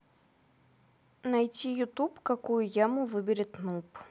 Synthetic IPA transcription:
najt͡sʲijut̪upkakujujamuvɨbʲɪɾʲɛt̪nup

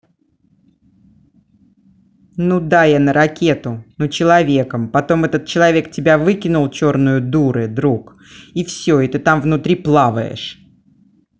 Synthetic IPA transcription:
nud̪ajanəɾɐkʲe̞t̪ʊnut͡ɕɪlˠɐvʲe̞kəmpɐt̪o̞mɛt̪ət̪̚t͡ɕɪlˠɐvʲe̞k̚tʲɪbʲavɨkʲɪnʊlˠt͡ɕo̞rnʊjʊd̪uɾɨd̪ɾuk | ifsʲoɪt̪ɨt̪amvnʊt̪ɾʲiplˠavəjɪ̰ʂ

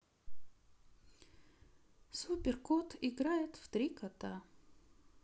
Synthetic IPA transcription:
supʲerkot̪ʰɪɡɾajɪt̪ft̪ɾʲikɐt̪a

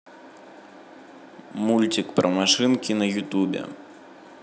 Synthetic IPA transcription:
mulʲt͡sʲikpɾɐmaʂɨnkʲinɐjut̪ubʲɛ̰

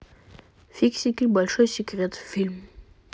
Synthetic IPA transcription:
fiksʲiklʲbalʲʃojsʲikʁʲet̪filʲm

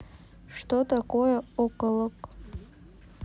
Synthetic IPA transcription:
ʂtʰotʰʼakʼojaokʼələkʼ

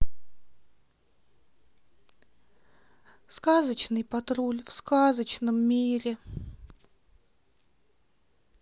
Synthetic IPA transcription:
skazət͡ɕnɨjpɐt̪ɾulʲfskazət͡ɕnəmːʲiɾʲɪ

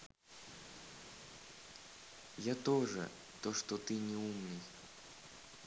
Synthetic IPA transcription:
jat̪oʐɛ̰ | t̪oʂt̪ot̪ɨnʲɪumnɨj

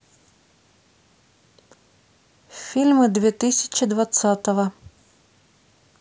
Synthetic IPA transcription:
fʲilʲmɨd̪vʲɛt̪ɨsʲɪ̥t͡ɕɪd̪vat̪sat̪əvɐ

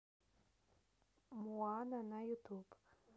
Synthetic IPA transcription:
muananajut̪ʰub

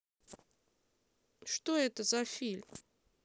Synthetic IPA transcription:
ʂt̪oɛt̪əzafʲilʲm

